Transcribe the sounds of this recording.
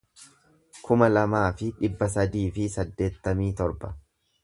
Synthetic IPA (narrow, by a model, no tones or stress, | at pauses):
kʰʊmɐlɐmaːfɪᶑɪbːɐsɐd̪iːfɪsɐd̪ːe̞ːt̪ːɐmiːt̪ɔɾbɐ